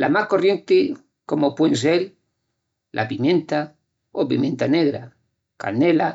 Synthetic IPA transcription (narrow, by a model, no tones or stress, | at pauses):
lʔamahko̞rje̞nt̪e | ko̞mopwensel | lʔa̰pimjẽ̞nt̪a | opḭmjẽnt̪aneɣɾa | ka̰nela